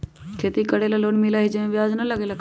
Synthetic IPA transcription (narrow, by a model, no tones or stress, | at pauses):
kʰet̪ikəɽelaloːnmilaɦid͡ʒemẽʋjaːd͡ʒnələɡeːlak